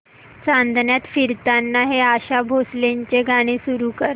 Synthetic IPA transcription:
t͡sand̪ʱnjat̪fiɾt̪anːaɦeaɕabʱosleɲt͡ɕeɡʱaɽ̃isuɾuːkəɾ

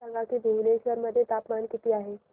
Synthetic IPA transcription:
əŋɡakibʱeʋleʃʋəɾməd̪ʱːjet̪aːpmankit̪iaɦe

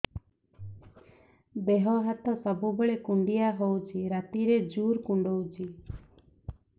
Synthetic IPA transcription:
beɦɔɦat̪ɔsɔbubeɭekuɳɖijaɦowt͡ʃʰiɾat̪iɾed͡ʒuɾkuɳɖowt͡ʃʰi

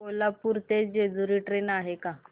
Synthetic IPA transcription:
olapuɾt̪ed͡ʑed͡zuɾiːʈɾenaɦeka

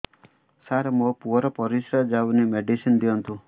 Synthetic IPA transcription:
saɾmopuɔɾɔpɔɾisɾad͡ʒawnimeɖisind̪iɔnt̪u

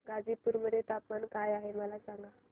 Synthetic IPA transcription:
ɡad͡zipuːɾməd̪ʱjet̪apmankajaɦeməlasãŋɡa

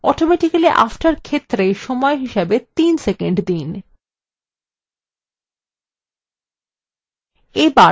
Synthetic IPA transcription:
ɔʈomɛʈikaliʔa̰fʈaɾkʰet̪ːɾeʃɔmɔeɦiʃebet̪insekeɳɖd̪in | eba

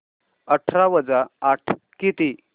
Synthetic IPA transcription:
əʈʰɾaʋəd͡zaːʈʰ | kit̪i

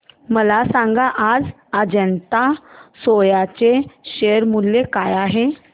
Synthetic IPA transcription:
məlasãŋɡaʔad͡z | əd͡ʑənt̪asojat͡seɕeəɾmulːekajaɦe

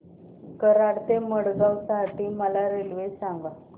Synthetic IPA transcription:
kəɾaɽt̪eməɽɡawsaɦʈiːməlaɾelʋesãŋɡa

